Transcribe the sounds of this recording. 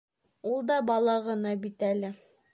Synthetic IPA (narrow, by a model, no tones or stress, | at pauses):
ulˠd̪ɑbɑlˠɑʁɤ̆nɑbit̪ælɘ